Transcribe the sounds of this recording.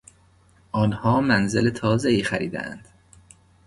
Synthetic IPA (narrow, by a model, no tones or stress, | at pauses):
ʔɒːnhɒːmænzelet̪ʰɒːzeiːxæɾḭːd̪æ̰ʔæ̰nd̪̥